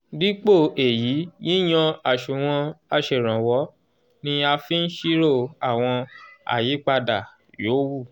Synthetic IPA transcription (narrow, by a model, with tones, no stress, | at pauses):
di˦k͡po˦˨e˨ji˨˦ji˦j̃ã˧a˨ʃu˨w̃ɔ̃˧a˧ʃe˨ɾ̃ã˨wɔ˨˦ | nĩ˧a˧fi˦n̩˦ʃi˦ɾo˦˨a˨w̃ɔ̃˧a̰˨ji˨˦k͡pa˧da˨ | joː˨˦wu˦˨